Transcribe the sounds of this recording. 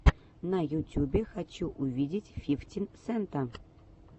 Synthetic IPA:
najutʲjubʲexat͡ɕuʔuvʲidʲɪtʲfʲiftʲinsɛnt̪a

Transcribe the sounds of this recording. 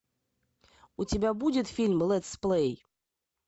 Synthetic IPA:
ʊtʲɪbʲabudʲɪt̪fʲilʲmlˠɛt̪splˠej

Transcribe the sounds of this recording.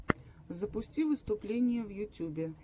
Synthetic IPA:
zəpʊsʲtʲivɨst̪ʊplʲenʲɪjəvjʊtʲːubʲɪ

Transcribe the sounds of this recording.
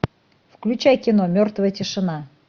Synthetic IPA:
fklʲʉt͡ɕajkʲɪnomʲort̪vəjətʲɪʂɨna

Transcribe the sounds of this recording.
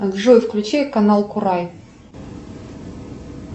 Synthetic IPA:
ɡʐojfklʲʉt͡ɕejkɐnalˠkʊɾaj

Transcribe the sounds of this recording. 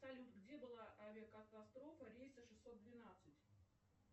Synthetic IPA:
sɐlʲut̪ɡdʲe̞bɨlˠaʔɐvʲəkət̪ɐst̪ɾo̞fəɾʲejsəʂɨsːo̞t̪̚d̪vʲɪnat̪sɨtʲ

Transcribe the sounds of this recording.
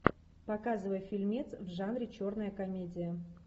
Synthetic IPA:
pɐkazɨvəjəfʲɪlʲmʲet̪svʐanɾʲɪt͡ɕo̞rnəjəkɐmʲedʲɪjə

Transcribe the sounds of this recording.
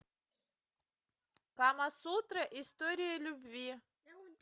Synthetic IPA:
kamasut̪ɾəʔɪst̪oɾʲɪjəlʲʊbvʲi

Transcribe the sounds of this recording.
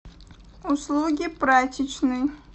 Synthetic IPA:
ʊslˠuɡʲipɾatʲɪt͡ɕnɨj

